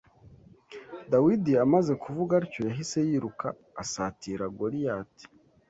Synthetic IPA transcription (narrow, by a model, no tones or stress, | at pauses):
dawidiamaze̞kʰuvuɡaɾico̞jaɦise̞jiːɾukaː | satiɾaɡo̞ɾijati̥